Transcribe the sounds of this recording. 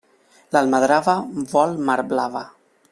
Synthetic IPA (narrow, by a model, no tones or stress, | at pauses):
lalmaðɾavaβɔlmaɾblava